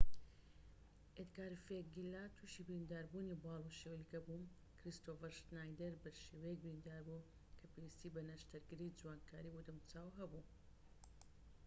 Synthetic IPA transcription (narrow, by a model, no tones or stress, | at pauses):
et̪ɡaːɾfeɡilːat̪ʰuʃibɾind̪aːɾbunibɑːlˠuʃewlikɐbum | kɾist̪ovəɾʃnajd̪eɾbɐɾʃeːwejɛk̚bɾind̪aːɾbu | kʰɐpʰewist̪ibɐnaʃt̪ʰɐɾɡɨɾid͡zuwaːnkʰaːɾiwʊd̪ɨmt͡saːwɦɐbu